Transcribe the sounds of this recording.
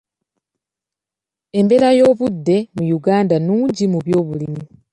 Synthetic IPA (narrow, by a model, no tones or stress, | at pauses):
e̞mbe̞ɾajo̞ːβudːe̞mujuɡaːndanuːɲɟimuβjo̞ːβulimi